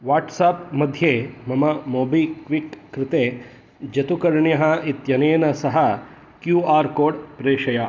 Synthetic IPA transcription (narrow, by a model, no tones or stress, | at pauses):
ʋaːʈsaːpmɐd̪ʱjeːmɐmɐmoːbikʋikːɾɪt̪eː | d͡ʒɐt̪ukɐɾɳjɐɦɐ̆it̪jɐneːnɐsɐɦɐ | kjuːaːɾkoːɖpɾeːʂɐja